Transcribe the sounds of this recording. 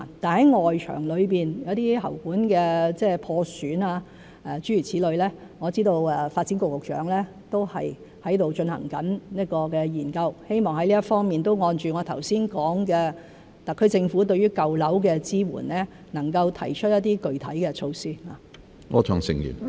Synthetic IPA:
a˨˩t̪aː˨nhɐ˨˥jŋɔː˨jt͡ʃʰœ̰ː˨˩ŋlɵ˨˧ɥpiː˨njɐ̰˨˧˥wt̪iː˥ɦɐ̰˨˩wkuː˨˥nkɛː˧t͡sɛː˥pʰɔː˧syː˨˥naː˧ | ʔɛː˨˩t͡ʃyː˨˥y˨˩t͡sʰiː˨˥lɵ˨˧ɥlɛː˥ŋɔː˨˧t͡siː˥t̪o˧wɛ˨faː˧t̚t͡si˨˥nko˧k̚lʊ˨k̚t͡ʃœ̰ː˨˥ŋlɛː˥ | t̪o˥whɐ̰˨j | hɐ˨˥jt̪o˨wt͡ʃɵ˧nhɐ̰˨˩ŋkɐ˨˥nniː˥kɔː˧kɛː˧jiː˨˩nkɐ˧whe˥jmɔː˨ŋhɐ˥jliː˥ɐ˥tfɔː˥ŋmiː˨nt̪o˥wŋɔː˧nt͡ʃyː˨ŋɔː˨˧t̪ʰɐ˨˩wsiː˥nkɔː˨˥ŋkɛː˧ | t̪ɐ˨kʰːɵ˧t͡sɪ˧ŋfuː˨˥t̪̬ɵ˧ɥyː˥kɐ˨˧wlɐ˨˥wkɛː˧t͡siː˥wṵː˨˩nlɛː˥ | nɐ˨˩ŋkɐ˧wt̪ʰɐ˨˩jt͡ʃʰt̚jɐ˥t̪ːiː˥kɵ˨ɥt̪ʰɐ˨˥jkɛː˧t͡ʃʰo˧wsiː˥la̰˨˩ | ŋɔ̰ː˨˧t͡ʃʰœ̰ː˨˩ŋsɪ̰˨ŋjy̰˨˩n

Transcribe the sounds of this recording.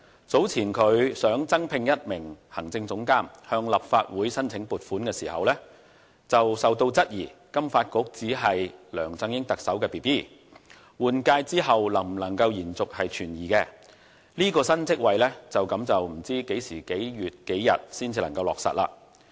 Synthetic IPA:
t͡so˨˥wt͡sʰiː˨˩nkʰɵ˨˧ɥsœː˨˥ŋt͡sɐ˥ŋpʰɪ˧ŋjɐ˥t̚mɪ˨˩ŋhɐ˨˩ŋt͡sɪ˧ŋt͡sʊ˨˥ŋkaː˥mhœː˧ŋlɐ˨p̚faː˧t̚wuː˨˥jsɐ˥nt͡sʰɪ˨˥ŋpuː˨t̚fuː˨˥nkɛː˧siː˨˩hɐ̰˨wlɛː˥ | t͡sɐ˨wsɐ˨wt̪o˧wt͡sɐ˥t̚jiː˨˩ | kɐ˥mfaː˧t̚kʊ˨˥k̚t͡siː˨˥ɦɐ˨jlœː˨˩ŋt͡sɐ˧ŋjɪ˥ŋt̪ɐ˨k̚sɐ˨˥wkɛː˧piː˨˩piː˥˩ | wuː˨nkaː˧jt͡siː˥ɦɐ˨wlɐ˨˩ŋ̩˨˩lɐ˨˩ŋkɐ˧wjiː˨˩nt͡sʊ˨k̚hɐ˨jt͡ʃʰyː˨˩njiː˨kɛ˧ | liː˥kɔː˧sɐ˥nt͡sɪ˥k̚wɐ˨jlɛ˥t͡sɐ˨wkɐ˨˥mt͡sɐ˨wm̩˨˩t͡siː˥ke˨˥jsiː˨˩ke˨˥jɥyː˨t̚ke˨˥jːɐ̰˨t̚siː˥nt͡siː˧lɐ̰˨˩ŋkɐ˧wlɔ̰ː˨ksɐ̰˨t̚la̰ː˧

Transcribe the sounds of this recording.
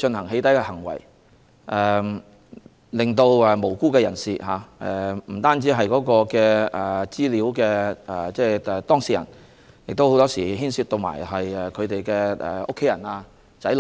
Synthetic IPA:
t͡ʃɵ˧nhɐ˨˩ŋɦe˨˧˥jt̪ɐ˨˥jkɛː˧hɐ˨˩ŋwɐ̰˨˩j | ʔɛː˨˩ | lɪ˨ŋt̪o˧wɛ˨˧mo˨˩wkuː˥kɛː˧jɐ˨˩nsiː˨ɦaː˨˧ɛ˨m̩˨˩t̪aː˥nt͡siː˨˥ɦɐ˨jkɔː˨˥kɔː˧kɛː˧ʔɛ˨t͡siː˥liː˨˥wkɛː˧ɛ˨˩t͡sɛː˥˧˩ɛ˨t̪ɔː˥ŋsiː˨˩jɐ̰˨˩n | jɪ˨k̚t̪o˥who˨˥wt̪ɔː˥siː˨˩ɦiː˥nsyː˧t̚t̪o˧wma̰ː˨˩jɦɐ˨jɛ˨kʰɵ˨˧ɥt̪e˨jkɛː˧ɛ̰˨˩ʔo̰˥kʰe˨˥jɐ˨˩naː˧ | sɐ˨˥l

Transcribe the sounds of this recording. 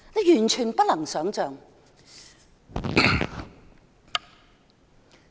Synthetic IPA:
ne˨˧jyː˨˩nt͡ʃʰyː˨˩npt̚lɐ˨˩ŋsœː˨˥ŋt͡sœː˨ŋ

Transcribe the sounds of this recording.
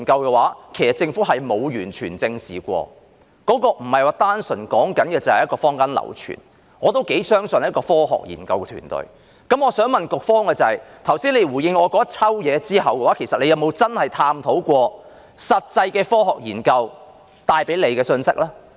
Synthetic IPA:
nkɐ˧wkɛː˧waː˨˥kʰe˨˩jsɐ˨t̚t͡sɪ˧ŋfuː˨˥ɦɐ˨jmo˨˧wjyː˨˩nt͡ʃʰyː˨˩nt͡sɪ˧ŋsḭː˨˩kʷɔ̰ː˧ | kɔː˨˥kɔː˧m̩˨˩hɐ˨jwaː˧t̪aː˥nsɵ˨˩nkɔː˨˥ŋkɐ˨˥nkɛː˧t͡sɐ˨whɐ˨jkɔː˧fɔː˥ŋka˥nlɐ̰˨˩wt͡ʃʰy̰ː˨˩n | ŋɔː˨˧t̪o˥wke˨˥jsœː˥ŋsɵ˨n̚˥kɔː˧fɔː˥ɦɔ̰ː˨k̚jḭː˨˩nkɐ˧wkɛː˧t̪ʰy̰ː˨˩nt̪ɵ̰˨˩ɥ | kɐ˨˥mɔː˨˧sœː˨˥ŋmɐ˨nkʊ˨k̚fɔː˥ŋkɛː˧t͡sɐ˨hɐ˨jt̪ʰɐ˨˩wsiː˥nle˨˧jwuː˨˩jɪ˧ŋɔː˨˧kɔː˨˥ɐ˥t͡sʰɐ˥wjɛː˨˧t͡siː˥ɦɐ˨wkɛ˧waː˨˦˥kʰe˨˩jsɐ˨t̚ne˨˧jɐ˨˧wmo˨˧wt͡sɐ˥nhɐ˨jt̪ʰaː˧mt̪ʰo˨˥wkʷɔː˧ | sɐ˨t̚t͡sɐ˧jkɛː˧fɔː˥ɦɔː˨k̚jḭː˨˩nkɐ˧w | t̪aː˧jpe˨˥jle˨˧jkɛː˧sɵ˧nsɪ˥k̚lɛː˥

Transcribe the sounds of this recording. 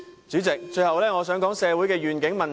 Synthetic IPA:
t͡sy˨˥t͡sɪ˨k̚t͡ʃɵ˧ɥhɐ˨wlɛː˥ŋɔː˨˧sœː˨˥ŋkɔː˨˥ŋsɛː˨˧wu˨˥jkɛː˧ɥyː˨nkɪ˨˥ŋmɐ˨˩n

